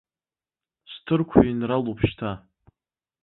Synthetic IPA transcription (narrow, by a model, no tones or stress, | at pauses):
stʰɨrkʷʰainralupʰʃtʰa